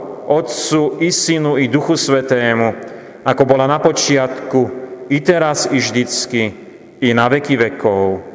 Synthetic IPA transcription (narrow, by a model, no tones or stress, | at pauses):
ɔt̪t͡suisinuid̪uxusʋɛt̪ɛːmu | akɔbɔlanapɔt͡ʃɪat̪kuit̪ɛɾasziʒd̪it͡skiː | naʋɛkiʋɛkɔʊ